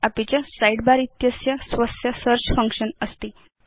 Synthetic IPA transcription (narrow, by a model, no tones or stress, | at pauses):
apit͡ɕjasajɽbaɾit̪jəsjasʋəsjəsəɾt͡ɕfəŋkʂənəst̪i